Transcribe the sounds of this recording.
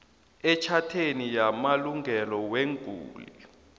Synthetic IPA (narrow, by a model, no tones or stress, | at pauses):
ɛt͡ʃʰatʰenijamaluŋʱɛlɔweŋɡʱṵːli